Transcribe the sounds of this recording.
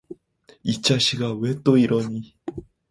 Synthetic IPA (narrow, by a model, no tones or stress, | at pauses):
it͡ɕaɕiɡaβet̪oiɾʔoɲi